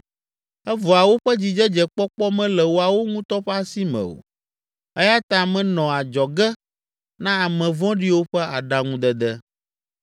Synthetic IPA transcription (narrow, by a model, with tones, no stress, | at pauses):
ɛ˦vɔ˨a˨wo˦ɸɛ˦d͡ʑi˨d͡ʒɛ˦d͡ʒɛ˨k͡pɔ˦k͡pɔ˦mɛ̃˦lɛ˨wo˦a˨wo˦ŋũ˦t̪ɔ˦ɸa˦si˦mɛ̰̃˨o̰˨ | ɛ˦ja˦t̪a˨mɛ̃˨nɔ̃˨a˨d͡ʒɔ˨ɡɛ˦ | nã˦a˨mɛ̃˨vɔ̃˦ɖi˦wo˦ɸɛ˦a˨ɖa˦ŋũ˦d̪ɛ˨d̪ɛ˦